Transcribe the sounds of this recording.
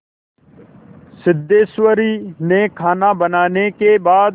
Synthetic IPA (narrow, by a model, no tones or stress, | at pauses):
sɪd̪ːeːsʋəɾiːnẽːkʰaːnãːbənaːneːkeːbaːd̪